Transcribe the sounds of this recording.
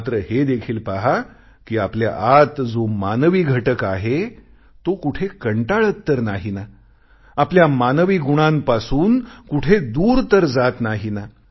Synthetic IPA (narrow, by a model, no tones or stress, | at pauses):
t̪ɾəhed̪ekʰiːlpaɦa | kiːaplja̰ʔat̪d͡zomanʋiːɡʱəʈəkaɦe | t̪okuʈʰekəɳʈaɭət̪ːəɾnaɦina | apljamanʋiːɡuɽ̃ãmpasuːnkuʈʰed̪uːɾt̪əɾd͡zat̪naɦina